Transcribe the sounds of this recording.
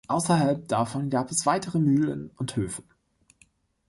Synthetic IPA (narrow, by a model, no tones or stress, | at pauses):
ʔaʊsɐɦalp̚d̥afɔnɡaːpɛsv̥aɪtʰəʁəmyːlənʊnthøːfə